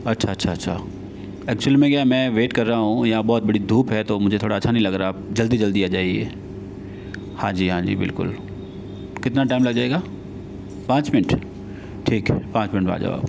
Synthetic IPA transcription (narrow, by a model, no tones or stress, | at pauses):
ɐtːʃʰaɐtːʃʰaɐtːʃʰa̰ | ɛːk̚t͡ɕuəlimẽɡjamɛ̃ːʋeːʈkɐɾːaɦaɦũjabɔːt̪̚bɐɽid̪ʱuːpɦɛt̪omʊ̃ɦɲd͡ʑet̪ʰoːɽaːʃʰanɐ̃ɦĩlɐɡɾad͡ʑɐld̪id͡ʑɐld̪iaːd͡ʒaːieː | hãːd͡ʑiːɦãːd͡ʑḭːbɪ̰lkʊ̰l | kɪt̪ɪnaʈaːɪmlɐɡd͡ʒaːeːɡaː | pãːt͡ɕt͡ʃmɪnəʈ | ʈʰiːkɦpãːt͡ɕmɪ̃nəʈba̰ːd͡ʒə̰ʋa̰ːb